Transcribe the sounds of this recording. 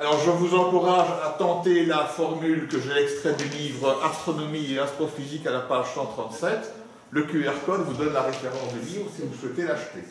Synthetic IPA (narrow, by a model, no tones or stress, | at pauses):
alɔʁʒəvuzɑ̃kuʁaʒat̪ɑ̃t̪elafɔʁmylkəʒeɛkst̪χɛd̪ylivʁʔast̪χɔnɔmieast̪χɔfizikalapaʒsɑ̃t̪χɑ̃t̪sɛt̪ | ləkʲyɛʁkɔd̪vud̪ɔnlaʁefeʁɑ̃sd̪ylivʁəsivuswɛt̪elaʃt̪e